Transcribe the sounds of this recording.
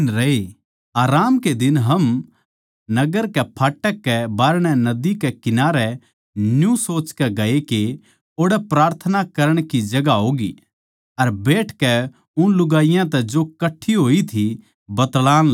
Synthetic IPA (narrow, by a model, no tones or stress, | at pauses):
nɾɐe | aːɾaːmked̪ɪnɦɐm | nɐɡəɾkɛpʰaːʈːəkːɛbaːɾɽ̃ɛnɐd̪ikɛkɪnaːɾɛ | njũsoːt͡ʃkɛɡɐeke | oːɽɛpɾaːɾt̪ʰənakɐɾəɽ̃kid͡ʒɐɡaɦoːɡi | ɐɾbeːʈʰkɛ | ʊnlʊɡaːɪjãt̪ɛd͡ʒokɐʈʰːiɦoːit̪ʰi | bɐt̪laːn